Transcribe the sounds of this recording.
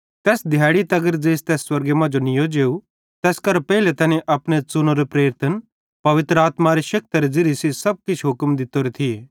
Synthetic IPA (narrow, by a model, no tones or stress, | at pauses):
t̪ɛːsd̪ʱjaːɽit̪ɐɡəɾd͡zeːst̪ɛːsːwɐɾɡemãd͡ʒonɪjod͡ʒeːu | t̪ɛːskɐɾpɛɦilet̪ɛːnẽʔɐpɽ̃et͡sʊnoɾepɾeːɾt̪ʰən | pɐʋɪt̪ɾəaːt̪maɾeʃɐk̚t̪ɐɾed͡zɪɾisisɐb̚kɪt͡ʃʰɦʊkmd̪ɪt̪oɾet̪ʰieː